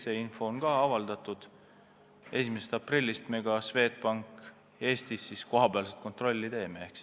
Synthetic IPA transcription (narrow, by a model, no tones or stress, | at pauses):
se̞info̞onkɑɑvɑld̪̥ɑt̪ˑud̪̥ | e̞simesest̪ɑprilʲːist̪meɡ̥ɑsve̞ːt̪̚pɑŋkˑ | e̞ːst̪isːisko̞ɦɑbeɑlset̪̚ko̞nt̪ro̞lʲːit̪e̞ːmeeks